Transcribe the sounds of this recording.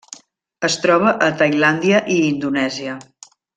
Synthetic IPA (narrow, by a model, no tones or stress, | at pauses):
əst̪ɾɔβ̞əʔət̪əjland̪iəʔiːnd̪unɛziə